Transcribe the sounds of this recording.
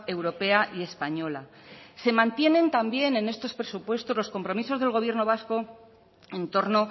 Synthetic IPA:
e̞wɾo̞pe̞aʔie̞spaɲo̞la | se̞mãnt̪je̞nẽ̞nt̪ambje̞ne̞ne̞st̪o̞spɾe̞supwe̞st̪o̞zlosko̞mpɾo̞miso̞zð̞e̞lɣ̞o̞β̞je̞ɾno̞β̞asko̞ | e̞nt̪o̞ɾno̞

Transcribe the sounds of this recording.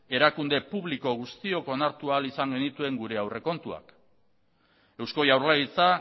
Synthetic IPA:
e̞ɾakund̪e̞puβliko̞ɣ̞ust̪io̞ko̞naɾt̪ualisaŋɡe̞nit̪ue̞ŋɡuɾe̞awre̞ko̞nt̪ua̰k | e̞wsko̞jawɾlait͡sa

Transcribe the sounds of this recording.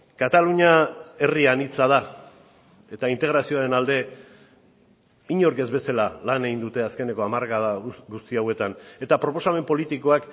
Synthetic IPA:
kat̪aluɲae̞rianit͡sað̞a | e̞t̪aint̪e̞ɣ̞ɾasio̞aɾe̞nald̪e̞ | iɲo̞ɾke̞zβe̞salalane̞ɣind̪ut̪e̞aske̞ne̞ko̞amaɾɣaðaɡust̪iawe̞t̪ane̞t̪apɾo̞po̞same̞mpo̞lit̪iko̞ak

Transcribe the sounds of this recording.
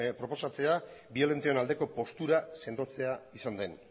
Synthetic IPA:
pɾo̞po̞sat͡se̞abio̞le̞nt̪eo̞nald̪e̞ko̞po̞st̪uɾase̞nd̪o̞t͡se̞aisand̪e̞n

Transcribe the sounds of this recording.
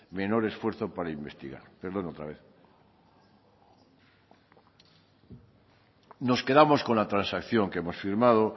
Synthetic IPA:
me̞no̞ɾe̞sfwe̞ɾθopaɾaimbe̞st̪iɣa̰ɾpeɾðo̞not̪ɾa̰β̞eθ | no̞ske̞ðamo̞skonlat̪ɾansakθjo̞ŋkeemo̞sfiɾmað̞o

